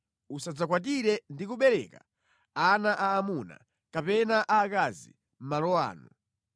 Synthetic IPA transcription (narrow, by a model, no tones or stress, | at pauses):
usad͡zakwat̬iɾɛndikuɓɛɾɛka | anaʔaːmuna̰ | kapɛnaʔaːkazḭ | m̩malɔwa̰ːnu